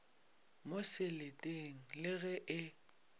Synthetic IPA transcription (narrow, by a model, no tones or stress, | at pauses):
mosɪletʼeŋ̩lɪɣɛʔɪ